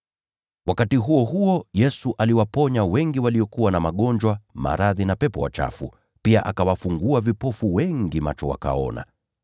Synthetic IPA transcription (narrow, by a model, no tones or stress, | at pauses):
wakatiɦuɔɦuɔjɛsuʔaliwapɔɲawɛŋɡiwaliɔkuwanamaɠɔnd͡ʒwama̰ɾaðinapɛpɔwa̰t͡ʃa̰fṵ | piaʔakawafuŋɡuavipɔfuwɛŋɡima̰t͡ʃɔwa̰ka̰ɔ̰na̰